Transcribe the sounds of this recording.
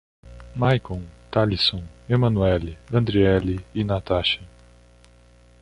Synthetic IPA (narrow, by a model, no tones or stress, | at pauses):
majkõt̪alisõw̃emɐ̃nuɛlɪɐ̃nd̪ɾiɛlɪɪnat̪aʃɐ